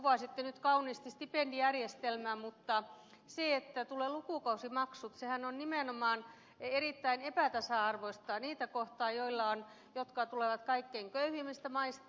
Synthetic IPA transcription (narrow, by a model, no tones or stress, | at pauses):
uʋɑˑsit̪ːenyt̪kɑuniːst̪ist̪ipendijærjest̪elmæːmut̪ːɑ | seet̪ːæt̪uleːˑlukuˑkɑusimɑksut̪sehænonnimeˑnomɑːn | eriˑt̪ːæinepæˑt̪ɑsɑɑrʋoist̪ɑniːt̪ækoht̪ɑːjoilːɑon | jot̪kɑt̪uleˑʋɑt̪kɑikːeiŋkøyhimist̪æmɑist̪